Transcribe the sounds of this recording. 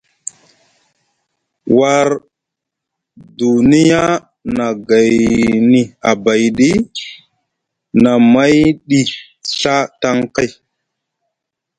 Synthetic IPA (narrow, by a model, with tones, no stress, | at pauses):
wa˨ɾ | du˨ni˦ja˦ | na˨ɡa˨jni˨a˨ba˨jɗi˦ | na˨ma˦jɗi˨ | ɬa˦ta˦ŋka˦j